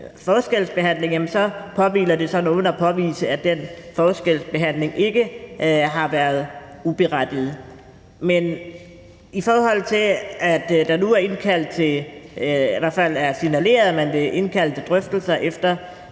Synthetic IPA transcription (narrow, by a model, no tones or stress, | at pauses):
fɒːsɡ̥el̰sb̥e̝ɦæn̰le̝ŋjæmənsɒ̽pʰɒ̽ʋḭːlɐd̥e̝sɒ̽nɔːn̩æpʰɒ̽ʋḭːsəæd̥enfɒːsɡ̥el̰sb̥e̝ɦæn̰le̝ŋʔe̝ɡ̥əɦɑ̈ʋæɐð̞̩ˠ | ub̥e̝ʁad̥ið̞̩ˠ | men | ifɒːhɒ̽l̰t͡sʰe̝læd̥d̥ɑ̈nuæɐe̝nkʰæl̰d̥̚t͡sʰe̝ | iʋæɐ̰fæl̰æɐsinæle̝̰ːɐðˠmend̥e̝ʔe̝nkʰæl̰d̥t͡sʰe̝d̥ʁœfd̥l̩sɐʔefd̥ɐ